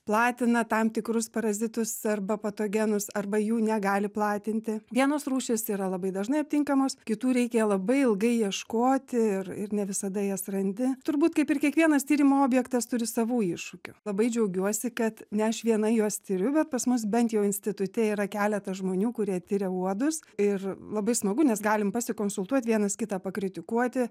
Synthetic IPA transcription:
plˠɑːt̪ʲɪnɐt̪ɐmt̪ʲɪkɾʊspɐɾɐzʲɪt̪ʊsɐrbɐpɐt̪oːɡʲɛnʊsɐrbɐjuːnʲɛɡɑːlʲɪplˠɑːt̪ʲɪnʲt̪ʲɪʋʲiɛnoːsruːʃʲesiːɾɐlˠɐbɐɪd̪ɐʒnɐɪɐp̚ʲt̪ʲɪŋkɐmoːskʲɪt̪uːɾʲɛɪkʲɛlˠɐbɐɪɪlˠɡɐɪjiɛʃkoːt̪ʲɪɪrɪrnʲɛʋʲɪsɐd̪ɐjɛsrɐnʲd̪ʲɪt̪ʊɾbuːt̪kɐɪpɪrkʲiɛkʋʲiɛnɐst̪ʲiːɾʲɪmoːoːbʲjɛkt̪ɐst̪ʊɾʲɪsɐʋuːɪʃʊkʲʊlˠɐbɐɪd͡ʒʲɛʊɡʲuɔsʲɪkɐt̪nʲɛɐʃʋʲiɛnɐɪjuɔst̪ʲɪɾʲʊbʲɛt̪̚pɐsmʊs̬bʲɛnt̪jɛʊɪnʲsʲtʲɪt̪ʊt̪ʲɛiːɾɐkʲæːlʲɛt̪ɐʒmoːnʲuːkʊɾʲiɛt̪ʲɪɾʲɛuɔd̪ʊsɪrlˠɐbɐɪsmɐɡʊnʲɛsɡɑːlʲɪmpɐsʲɪkoːnsʊlˠt̪uɔt̪ʲʋʲiɛnɐskʲɪt̪ɑːpɐkɾʲɪt̪ʲɪkuɔt̪ʲɪ

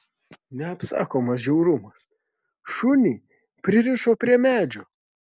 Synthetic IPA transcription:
nʲɛɐpsɑ̰ːkoːmɐs̬ʒʲɛʊɾʊmɐs | ʃʊnʲi | pʲɾʲɪɾʲɪʃoːpʲɾʲiɛmʲæːd͡ʒʲoː

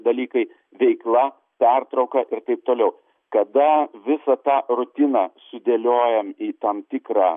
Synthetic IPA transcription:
d̪ɐlʲiːkɐɪ | ʋʲɛɪklˠɐ | pʲært̪ɾɐʊkɐʔɪrt̪ɐɪp̚t̪oːlʲɛʊ | kɐd̪ɐʋʲɪsɐt̪ɑːrʊt̪ʲɪnɑːsʊd̪ʲeːlʲoːjɛmiːt̪ɐmt̪ʲɪkɾɑː

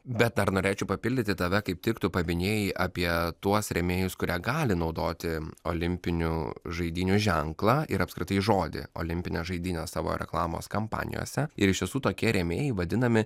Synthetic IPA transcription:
bʲɛt̪̚d̪ɐɾnoːɾʲeːt͡ʃʲɛʊpɐpʲɪlʲd̪ʲɪt̪ʲɪt̪ɐʋʲɛkɐɪp̚t̪ʲɪkt̪ʊpɐbʲɪnʲeːjɛʔɐpʲiɛt̪uɔsɾʲɛmʲeːjʊskʊɾʲʔiɛɡɑːlʲɪnɒʊd̪oːt̪ʲɪo̰ːlʲɪmʲpʲɪnʲṵʒɐɪd̪ʲiːnʲuʒʲɛŋklˠɑɪɾɐpskʲɾʲɪt̪ɐɪʒoːd̪ʲɪ̰o̰lʲɪmʲpʲɪnʲeːsʒɐɪd̪ʲiːnʲoːssɑːʋo̰ːɾʲɛ̰klˠɑːmo̰ːskɐmpɑ̰ːnʲɪ̰jo̰ːsʲɛɪɾɪʃt̪ʲisuːt̪oːkʲiɛɾʲɛmʲḛːjɪʋɐd̪ʲɪnɐmʲɪ

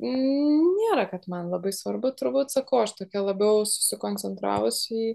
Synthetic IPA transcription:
nʲeːɾɐkɐt̪mɐnlˠɐbɐɪsʋɐɾbʊt̪ʊɾbuːt̪sɐkɐʊɐʃt̪oːkʲɛlˠɐbʲɛʊsʊ̥sʲɪkoːnʲt͡sʲɛnt̪ɾɑ̰ːʋʊsʲiː

